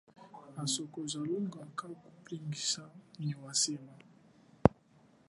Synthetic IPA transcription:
masɔkɔzaluŋɡakaku̥pɾiŋɡisaniwasɛma

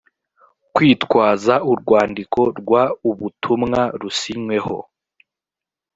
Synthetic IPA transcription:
kwiːtkwaːzauɾɡwaːndikʰo̞ɾɡwauβutʰumŋaɾusiɲwe̞ho̞̰

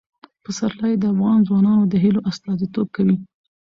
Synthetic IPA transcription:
pəsaɾlɑjed̪əafɣɑnzwɑnɑnod̪əɦiloʔast̪ɑzit̪ob̚kawi

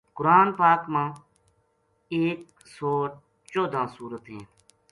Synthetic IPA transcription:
kʊɾaːnpaːkmãː | eːk | soː | t͡ʃoːd̪ʱãːsuːɾət̪ɦẽː

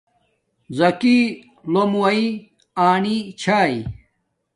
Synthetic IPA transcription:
zɐki | lomuwɐi | aːnit͡ɕʰaːi

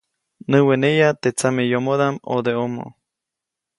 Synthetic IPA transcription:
nɨwenejat̪et͡samejomoðamo̰d̪eomo̰

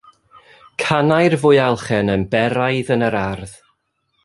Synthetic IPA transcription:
kʰanajrvʊɨalˠχɛnənbɛɾajðənəɾarð

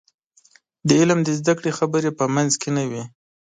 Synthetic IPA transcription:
d̪əɪlmd̪əzd̪akɽexabəɾepəmanzkenawi

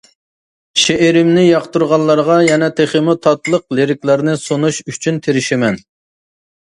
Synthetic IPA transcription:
ʃeʔeɾɪmnɪjɑqt̪uɾʁɑnlˠːɑɾʁɑjɛnɛt̪ʰeχəmut̪ʰɑt̪lˠəqleɾɪkʲlæɾnɪsonuʃyt͡ʃʰynt̪ʰeɾɪʃɪmɛn

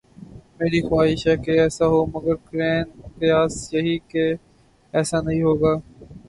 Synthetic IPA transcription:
meːɾiːxwaːɦɪʃɛːkeːɛːsaːɦoːməɡəɾkɾeːnt̪ɪjaːsjɐɦiːkeː | ɛːsaːnɐɦĩːɦoːɡaː

